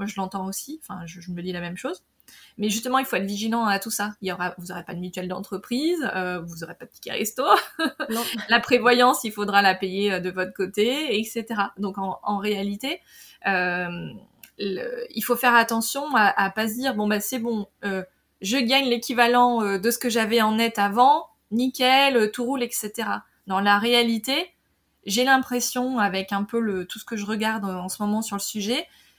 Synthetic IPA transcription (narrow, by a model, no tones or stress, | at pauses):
mwaʒəlɑ̃t̪ɑ̃osiɑ̃fɛ̰̃ʒəʒəməd̪ilamɛmʃoz | mɛʒyst̪əmɑ̃ilfoɛt̪ʰχviʒilɑ̃at̪usailjɔʁavuzɔʁepad̪əmyt̪ɥɛld̪ɑ̰̃t̪χəpχizøvuzɔʁepad̪əpʲi̥kʲa̰ʁḛst̪o | lapχevwajɑ̃silfod̪ʁalapejeød̪əvɔt̪χə̥kot̪eɛkset̪eʁad̪ɔ̃kɑ̃ɑ̃ʁealit̪e | øm | lə̰ilfofɛʁat̪ɑ̃sjɔ̃aʔapazd̪iːʁbɔ̃basɛbɔ̃ø | ʒəɡaɲlekʲivalɑ̃ød̪əsə̥kəʒavɛɑ̃nɛt̪avɑ̃ | nikʲɛløt̪uʁulɛkset̪eʁa | d̪ɑ̃laʁealit̪e | ʒelɛ̃pχesjɔ̃avɛkɛ̃pølət̪u̥sə̥kəʒəʁəɡaʁd̪øɑ̃səmɔmɑ̃syʁləsyʒɛ